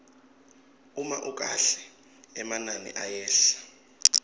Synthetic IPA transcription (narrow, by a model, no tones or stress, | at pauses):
umaʔuk̬ʼaɬɛ̥ | ɛmananḭʔajɛːɬḁ